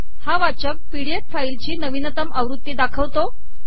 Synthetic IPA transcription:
haʋat͡ɕək̚piɽijeʈfailt͡ɕiːnəʋinət̪əməʋɾut̪ːid̪akʰəʋt̪o

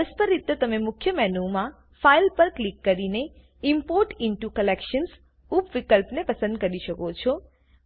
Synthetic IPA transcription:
əspəɾit̪ːət̪əmemʊkʰjəmɛɦnumã | failpəɾklikːəɾine | impoɾʈɪɳʈukəlekʃəns | upʋikəlpnepəsənd̪kəɾiʃəkot͡ʃʰɔ

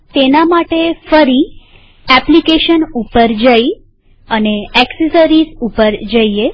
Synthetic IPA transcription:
t̪enamaʈefəɾi | ɛplikeʃənupəɾd͡ʒəi | əneɛksesəɾizupəɾd͡ʒəie

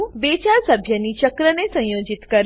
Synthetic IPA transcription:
bet͡ʃaɾsəbʱjənit͡ʃəkɾənesə̃jod͡ʒit̪kəɾ

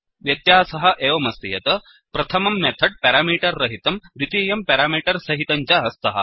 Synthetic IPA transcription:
ʋjɐt̪jaːsɐɦɐ̆ʔeːʋɐmɐst̪ijɐt̪ɐ | pɾɐt̪ʰɐmɐmːet̪ʰɐʈ̚peːɾaːmiːʈɐɾːɐɦit̪ɐmd̪it̪iːjɐmpeːɾaːmiːʈɐɾsɐɦit̪ɐɲt͡ʃɐɦɐst̪ʰɐɦɐ̰

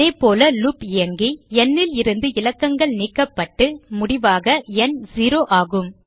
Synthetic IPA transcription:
eːpoːlɐlʊpɪjɐŋɡiɛnːɪlɪɾɯnd̪ɯɪlɐkːɐŋɡɐɭniːkːɐpːɐʈːɯmʊɽɪʋaːɣɐɛnziːɾoːʔaːɣɯm

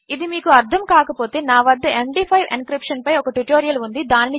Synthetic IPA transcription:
id̪imiːkuɐɾt̪ʰɐmkaːkɐpo̞ːt̪e̞ːnaːʋɐd̪ːɐʔeɳɖipʰɐjʋḭnkɾipʂɐnpɐjɔkɐʈuʈoːɾijɐlund̪id̪aːnini

